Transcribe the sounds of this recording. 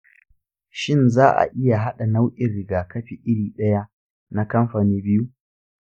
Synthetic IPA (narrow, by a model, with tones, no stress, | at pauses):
ʃɪ˦nzaː˦ʔa̰˨ʔɪ˦ja˨ɦa˦ɗa˨na˦wʔʲʼɪ˨nɾɪ˨ɡaː˨kɐ˦ɸi˨ʔɪ˦ɽiː˨ɗɐ˦ja˦ʔ | na˦kɐ˦mɸaː˨niː˦bɪ˦ju˦